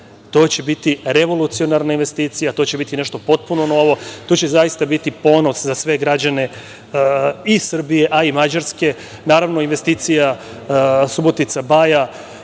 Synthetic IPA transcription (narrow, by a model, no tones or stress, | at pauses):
t̪o̞ːt͡ɕe̞bit̪iɾe̞ʋo̞lˠut̪sio̞naɾnainʋe̞st̪iːt̪sijat̪o̞t͡ɕe̞bit̪ineʃt̪o̞po̞t̪̚puno̞no̞ʋo̞t̪oːt͡ɕe̞zajist̪abit̪ipo̞no̞szasʋe̞ɡɾad͡ʑane̞ | isr̩bije̞ʔaimad͡ʑaɾske̞ | naːɾaʋno̞inʋe̞st̪iːt̪sija | subo̞t̪it̪sabaja